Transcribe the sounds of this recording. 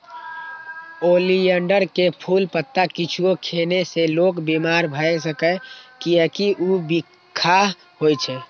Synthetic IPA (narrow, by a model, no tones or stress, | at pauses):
oliəɳɖəɾkepʰulpət̪ːakit͡ʃʰuokʰeneselokbimaɾbʱəɛsəkəkiəkiʔubikʰːaɦ | ɦojt͡ʃʰɛ